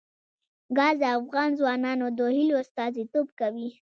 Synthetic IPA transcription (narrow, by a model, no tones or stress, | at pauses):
ɡɑzəafɣɑnzwɑnɑnod̪ohiliost̪ɑzit̪obkawi